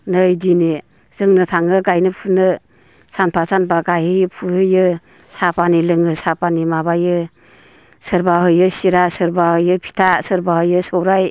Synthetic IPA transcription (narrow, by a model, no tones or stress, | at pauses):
nɯjdine | z̥ɯŋnɯtʰaŋɯɡajnɯpʰunɯ | sanpʰasanbaɡajhɯjpʰuhɯjɯ | sapanilɯŋɯsapanimabajɯ | sɯɾbaɦɯjɯsiɾasɯɾbahɯjɯpʰi̥tʰasɯɾbahɯjɯsɯwɾaj